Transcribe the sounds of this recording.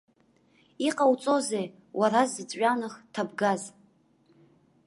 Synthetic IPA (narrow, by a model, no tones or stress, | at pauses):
iqʼawt͡sʼo̞zej | wʔaɾazɨt͡sʼɥʷᶣanɨχtʰabɡaz